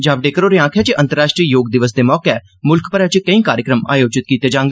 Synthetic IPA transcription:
d͡ʒaːʋɖeːkəɾoːɾeːãːkʰjaːt͡ʃeʔə̃nt̪əɾːaːʃʈɾiəjoːɡd̪ɪʋəs̬d̪eːmɔːkɛː | mʊlkpəɾɛːt͡ʃkəĩːkaːɾjəkɾəma̰ːjoːd͡ʒɪt̪kiːt̪eːd͡ʒãːŋɡ̪eː

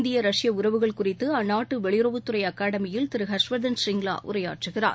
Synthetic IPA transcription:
nd̪ɪjɐɾɐʂɪjɐʊɾɐʋɯɣɐɭkʊrɪt̪ːɯɐnːaːʈːɯʋɛɭɪjɾɐʋɯt̪ːɯrɐɪɐkaːɽɐmɪjɪlt̪ɪɾɯɦɐʂʋɐðɐnsɪŋɡla̰ːʔʊ̰ɾɐjaːʈrɯɣɪra̰ːɾ

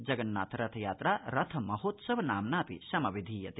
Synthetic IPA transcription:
d͡ʒɐɡɐɳːa̰ːt̪ʰɐɾɐt̪ʰɐjaːt̪ɾaːɾɐt̪ʰɐmɐɦoːt̪sɐʋɐnaːmnaːpḭʃɐmɐʋid̪ʱiːjɐt̪i

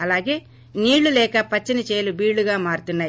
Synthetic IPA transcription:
ɐlaːɡe̞ː | niːɭːulɛːkɐpɐt͡ʃːinit͡ʃeːjlubiːɽluɡaːmaːɾut̪unːaːj

